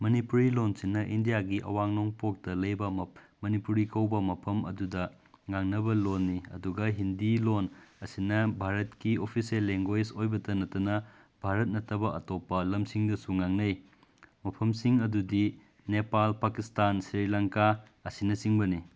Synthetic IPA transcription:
mɐnipuɾilonsinːɐʔindijaɡiʔɐ̰waŋnoŋpok̚tɐlɐjbɐ | mɐnipuɾikɐwbɐmɐpʰɐmɐ̰dudɐ | ŋaŋnɐbɐlonːiɐ̰duɡɐɦindilonɐsinɐbʱaɾɐtkiopʰiselːeŋɡojsojbɐtɐnɐtːɐnɐ | bʱaɾɐt̚nɐtːɐbɐʔɐtopːɐlɐmsiŋdɐsuŋaŋnɐj | mɐpʰɐmsiŋɐdudi | nepalpakistansɾiɾilaŋka | ɐsinɐsiŋbɐni

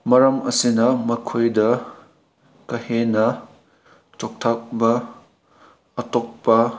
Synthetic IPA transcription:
mɐɾɐmɐsinɐmɐkʰojdɐ | kɐhenɐ | t͡ʃok̚tʰɐk̚bɐ | tok̚pɐ

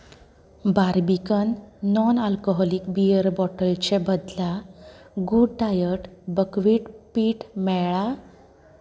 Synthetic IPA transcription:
baɾbikənːɔnalkɔɦɔlikbiəɾbɔʈəlt͡ɕebəd̪la | ɡuɖʈajəʈbəkʋiːʈpiːʈmɛɭa

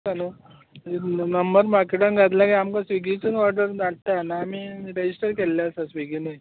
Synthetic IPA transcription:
anu | nəmbəɾmakeʈanɡat̪lakiamkasʋiɡit͡sənɔɾʈəɾnaɽt̪anaːmiːɾed͡ʑisʈəɾkeljasasʋiɡine

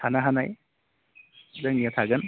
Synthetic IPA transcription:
anaɦanaj | zaŋniat̪ʰaɡɯn

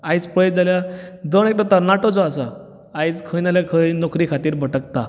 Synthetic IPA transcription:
ajt͡spəj̚d͡zaljad̪əɳekʈɔt̪anaʈɔd͡zɔasa | ajt͡skʰəjnaljakʰəjnokʰɾikʰat̪iːɾbʱəʈəkt̪a

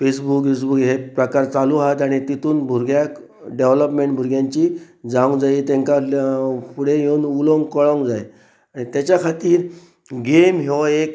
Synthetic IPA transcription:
fesbukjesbukɦepɾəkaɾt͡saluaɦat̪aɽ̃it̪it̪uːnbʱuɾɡjak | ɖeʋləpmeɳʈbʱuɾɡjãɲt͡ɕiː | d͡zãwŋɡd͡zajit̪ẽŋka | puɽeɦewnuloŋɡkɔɭãwŋɡd͡zaj | aɽ̃it̪jat͡ɕjakʰat̪iːɾ | ɡemɦewek

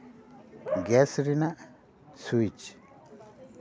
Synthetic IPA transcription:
ɡɛsɾinaʔ | suit͡ʃ

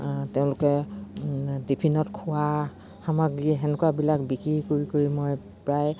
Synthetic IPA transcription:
teʊ̃lʊkɛ | dipʰinɔtkʰʊwa | hamaɡiɛɛnɛkwabilakbikɹikoɹikoɹimoj | pɹaj

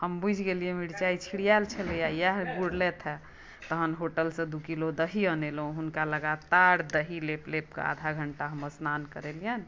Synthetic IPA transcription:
həmbud͡ʒʱɡeliɛmiɽt͡ʃait͡ʃʰiɽijalt͡ʃʰəlejajɛɦɡuɽlɛt̪ʰɦɛ | t̪əɦənɦoʈəlsẽd̪ukilod̪əɦiənelũɦunkaləɡat̪aɾd̪əɦileplep̚kḛa̰d̪ʱaɡʱəɳʈaɦəməɾsnankəɾelijən

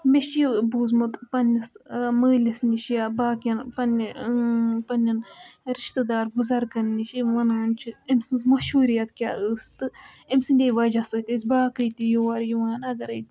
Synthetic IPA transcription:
meʃt͡ʃjbuːzmɨt̪pɐnisməːlʲisniʃjabaːkjɐnpɐn | pɐnʲːɐnɾiʃt̪ɨd̪aːɾɡuzɐɾkɐnniʃiʋɐnaːnt͡ʃʰiemsɨnzmɐʃuːɾijɐt̪kʲaːɨst̪ɨemsɨnd̪ʲeʋɐd͡ʒasɨt̪isʲbaːkɨjt̪ijowɐɾjuʋaːnɐɡɐɾɐj

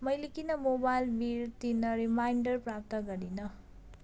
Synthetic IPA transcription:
mʌjlekinʌmobajlbiɾt̪inːʌɾimajɳɖʌɾpɾap̚t̪ʌɡʌɾinʌ

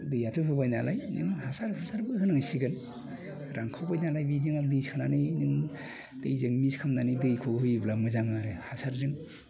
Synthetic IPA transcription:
dɯjatʰuɦɯbajnalajnɯŋhasaɾpʰɯsaɾbɯɦɯnaŋsiɡɯn | ɾaŋkʰawbajnalajbidiŋadɯjskʰɯnanɯjnɯŋ | d̥ɯjzɯŋmiskʰamnanɯjdɯjkʰoɦɯjblamɯzaŋnaɾɯhasaɾzɯŋ

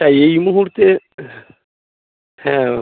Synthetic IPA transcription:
aejmuɦuɾt̪e | hɛ̃

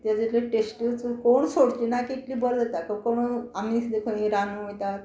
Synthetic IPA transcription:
t̪jad͡ziʈleʈesʈət͡skoɳsoɽt͡ɕinakikliːbəld͡zət̪akəkoɳ̃amiːsd̪ekʰoĩɾanut̪a

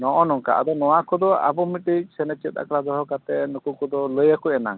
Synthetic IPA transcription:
nɔʔɔnɔŋka̰ʔa̰d̪ɔnɔwakɔd̪ɔa̰bɔmiʈik̚sɛnɛt͡ʃit̪̚a̰kɾad̪ɔɦɔkat̪ɛnukukɔd̪ɔləjakuɛna̰ŋ

